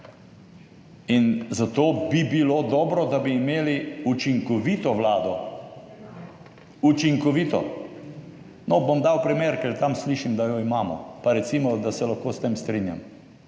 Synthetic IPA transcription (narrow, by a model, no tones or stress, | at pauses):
inzat̪oːbibiloːd̪ɔːbɾɔd̪abiːmeːliut͡ʃiŋkɔʋiːt̪ɔʋlaːd̪ɔ | ut͡ʃiŋkɔʋit̪ɔ | nɔbomd̪awpɾimeːɾkɛɾt̪amsliːʃimd̪ajɔimaːmɔ̰paɾɛt̪simɔd̪asɛlaxkoːst̪emst̪ɾinja̰m